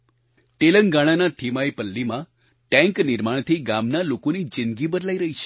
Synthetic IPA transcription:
ʈeləŋɡaɽ̃anat̪ʰimaipəlːimã | ʈɛ̃ŋknɪɾmaɳ̃t̪ʰiɡamnalokonid͡ʒɪ̃nd̪ɡibəd̪laiɾəɦit͡ʃʰe̥

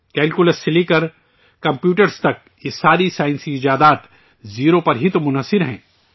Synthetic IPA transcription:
kɛːlkʊləsːelikəɾ | kɐ̃mpjuːʈəɾst̪ɐk̚ | ɪsaːɾisaːɪ̃nsiɪd͡ʒaːd̪aːt̪ | ziːɾopɐɾɦit̪omʊnɦəsːɪɾɦɛ̰̃ː

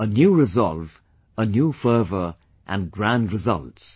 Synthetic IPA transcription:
ənjuɹɨzɔ̰lˠv | ənjufɜ˞və˞ | ʔə̃nɡɹæ̃ndɹɨzʌ̰lˠts

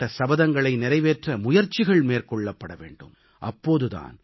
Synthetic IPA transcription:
ʈːɐsɐbɐðɐŋɡɐɭɐɪnɪɾɐɪʋeːʈrɐmʊjɐɾt͡ʃɪɣɐɭmeːɾkɔɭːɐpːɐɽɐʋḛːɳɖɯ̰m | ʔɐ̰pːoːðɯða̰ːn

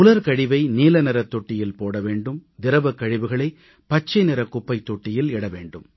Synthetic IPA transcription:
ʊlɐɾkɐɻɪʋɐɪniːlɐnɐɾɐt̪ːɔʈːɪjɪlpoːɽɐʋeːɳɖɯmd̪ɪɾɐʋɐkːɐɻɪʋɯɣɐɭɐɪ | pɐt͡ʃːɐɪnɪɾɐkːʊpːɐɪt̪ːɔʈːɪjɪlɪɽɐʋḛːɳɖɯm

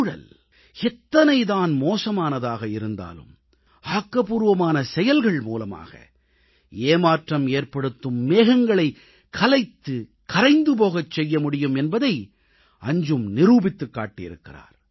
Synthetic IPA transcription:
ɽɐ̰l | ɛt̪ːɐnɐɪðaːnmoːsɐmaːnɐðaːɣɐɪɾɯnd̪a̰ːlɯ̰m | aːkːɐpuːɾɯʋɐmaːnɐsɛjɐlɣɐɭmṵːlɐma̰ːɣɐ̰ | eːmaːʈrɐmeːrpɐɽɯt̪ːɯmːeːɣɐŋɡɐɭɐɪ | kʰɐlɐɪt̪ːɯ | kɐɾɐɪnd̪ɯp̬oːɣɐt͡ʃːɛjːɐmʊɽɪjɯmɛnbɐðɐɪ | ɐɲd͡ʒɯmnɪɾuːbɪt̪ːɯkːa̰ːʈːɪjɪ̰ɾɯ̰kːɪra̰ːɾ

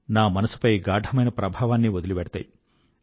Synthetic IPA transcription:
naːmɐnɐsu̥pɐjɡaːɖʱɐmɐjnɐpɾɐbʱaːʋaːnːiʋod̪uliʋɛɽɐt̪a̰ːji

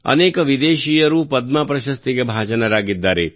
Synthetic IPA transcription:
ɐ̰neːkɐʋid̪eːʃijɐɾupɐd̪maːpɾɐʃɐst̪iɡebʱaːʃɐnɐɾaːɡid̪ːaːɾe

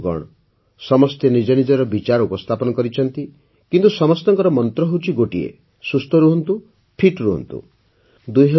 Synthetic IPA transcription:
ɡɔ̰ɽ̃ɔ | sɔmɔst̪ʰjɔnid͡ʒɔnid͡ʒɔɾɔbit͡ʃaɾɔupɔst̪ʰapɔnɔkɔɾit͡ʃʰɔnt̪i | kint̪usɔmɔst̪ɔŋkɔɾɔmɔnt̪ɾɔɦot͡ʃʰiɡoʈiḛ | sust̪ʰɔɾuɦɔnt̪u | pʰiʈɾuɦɔ̰nt̪ṵ | d̪ujɦe

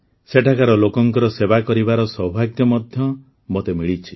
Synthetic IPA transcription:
seʈʰakaɾɔlokɔŋkɔɾɔsebakɔɾibaɾɔsɔbʱaɡjɔmɔd̪ʱjɔ | mot̪emiɭit͡ʃʰi̥

